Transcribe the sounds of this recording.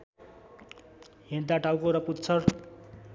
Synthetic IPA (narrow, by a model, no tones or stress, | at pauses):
ɦint̪aʈawkoɾʌput̪t͡sʰʌr